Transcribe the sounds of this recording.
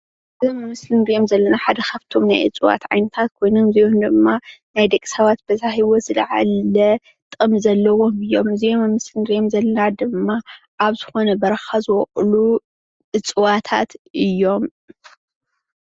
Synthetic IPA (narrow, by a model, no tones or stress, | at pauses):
ʔɨzomːɨmɨslɨnɾijomzɐlːɐnaħad̪ɐxɐft̪ʰo̞mnajʔɨ̰t͡sʼuwa̰t̪ʕa̰jnɐt̪ʰat̪̚kʰo̞jnomziomd̪ɨmːanajd̪ɐkʼːi̥sɐβat̪̚bɐzaɦiwo̞zɨlʕa̰lɐ | t̪ʼɨmzɐlːɐwo̞mɨjːomɨzijomɨmɨslɨnɾijomzɐlːɐnad̪ɨmːa | ʔaβzɨ̥xo̞nɐbɐɾɐxazɨwɔχʼlu | ʔɨt͡sʼɨwat̪ʰat̪ʔɨjːo̞m